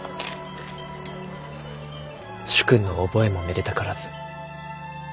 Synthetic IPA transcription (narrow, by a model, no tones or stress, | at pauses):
ɕɨ̥kɯ̟̃nːo̞ːbo̞e̞mo̞meɾe̞t̪akaɾazɨ̥